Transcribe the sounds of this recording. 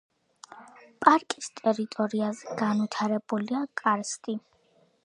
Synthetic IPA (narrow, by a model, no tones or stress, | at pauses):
pʼaɾkʼist̪ʼɛɾit̪ʼɔɾiazɛɡ̥anwit̪ʰaɾɛbuliakʼaɾst̪ʼi